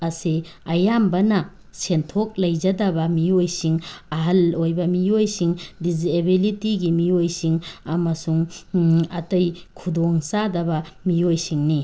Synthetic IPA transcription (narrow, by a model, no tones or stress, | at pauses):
ɐsi | ɐjambɐnɐ | sentʰok̚lɐjd͡ʒɐdɐbɐmiojsiŋɐɦɐlojbɐmiojsiŋdiziebilitiɡimiojsiŋɐmɐsuŋ | ɐtɐjkʰudoŋsadɐbɐmiojsiŋni